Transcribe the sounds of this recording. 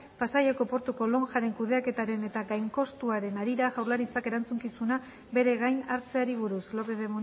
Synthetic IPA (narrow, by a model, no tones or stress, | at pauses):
pasaʎeko̞po̞ɾt̪uko̞lo̞ŋʝaɾe̞ŋkuðe̞ake̞t̪aɾe̞ne̞t̪aɣajŋko̞st̪uaɾe̞naɾiɾaʝawɾlaɾit͡sake̞ɾant͡suŋkisuna | be̞ɾe̞ɣajnaɾt͡se̞aɾiβ̞uɾuslo̞peðemu